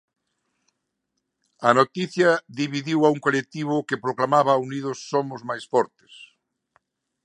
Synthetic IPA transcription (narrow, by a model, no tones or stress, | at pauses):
ɐnot̪iθjɐðiβiðiwauŋkolek̚t̪iβ̞ʊkepɾoklamaβɐunið̞ʊsːomʊzmajsfɔɾt̪ɪ̥s